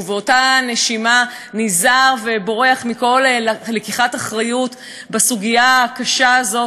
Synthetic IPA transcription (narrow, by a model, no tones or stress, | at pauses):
veo̞tane̞ʃima | nizaʁve̞bo̞ʁe̞aχmiko̞llekiχataχʁajut | basuɡijakaʃaːzo̞